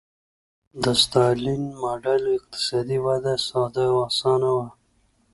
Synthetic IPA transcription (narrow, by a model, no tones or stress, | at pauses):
d̪əst̪ɑlinmɑːɖalɪq̚t̪ɪ̥sɑːd̪iwad̪asɑd̪aasɑːnawa